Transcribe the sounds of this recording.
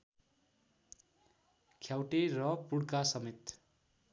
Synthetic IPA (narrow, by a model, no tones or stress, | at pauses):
kʰjawʈerʌpuɽkasʌmet̪